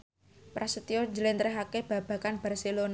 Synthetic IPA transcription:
pɾasət̪iɔɲd͡ʒəlɛnt̪ɾeɦakeb̥ä̤b̥a̤kanb̥arselon

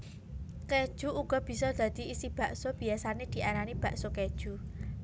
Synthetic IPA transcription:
ked̥ʒ̥ṳuɡ̥ɔ̤b̥i̤sɔd̪̥ä̤d̪̥i̤isib̥a̤ʔsob̥i̤asaned̪̥i̤ʔaɾanib̥ä̤ʔsoked̥ʒ̥ṳ

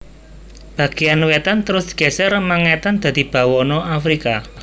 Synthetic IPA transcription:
b̥ä̤ɡ̥ejanwɛt̪ant̪əɾʊsɡ̥ɛ̤sɛrmaŋɛt̪and̪̥a̤d̪̥i̤b̥ä̤wɔnɔʔafɾika

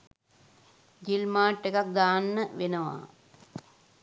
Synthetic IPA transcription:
ɡilmaːʈːekɐk̚d̪aːnːəʋenɐʋa̰ː

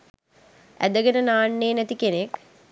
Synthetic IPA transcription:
æ̰d̪əɡenənaːɳːeːnæt̪ikenek

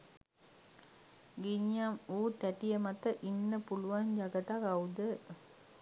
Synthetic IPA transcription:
ɡiɲjamuːt̪ɛʈijəmɐt̪əʔinːəpuluʋand͡ʒɐɡɐt̪akɐwd̪ə

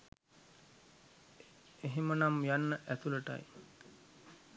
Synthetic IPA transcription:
eɦemənamjanːəʔæt̪uləʈa̰j

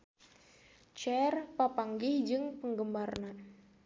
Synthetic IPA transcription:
t͡ʃɛrpapaŋɡɪhd͡ʒɨŋpəŋɡəmarnan

